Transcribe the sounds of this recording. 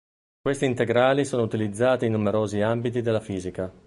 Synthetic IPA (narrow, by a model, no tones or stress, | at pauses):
kwest̪iːnt̪eɡɾaːlisoːnout̪ilid̪zːaːt̪iinːumeɾoːziambit̪̬id̪elːafiːzika